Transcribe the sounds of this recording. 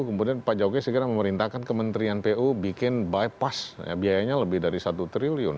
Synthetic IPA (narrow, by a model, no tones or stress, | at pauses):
kəmudianpad͡ʒakɛsəɡəɾaməməɾint̪ahkankəmənt̪ɾianpeʔubikɪnbajpasja̰biajaɲaləbɪhdaɾisat̪ut̪ɾiliʊ̰n